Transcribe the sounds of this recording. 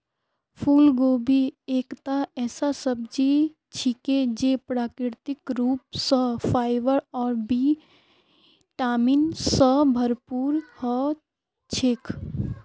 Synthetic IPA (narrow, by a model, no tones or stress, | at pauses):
pʰuːlɡobʱieːkt̪aɛːsasəb̚d͡ʒi | t͡ʃʰiked͡ʒepɾaːkɾɪɾt̪ɪkɾuːp̚səpʰaːɪʋəɾɔːɾbi | ʈaːminsəbʱəɾpuːɾhə | t͡ʃʰekʰ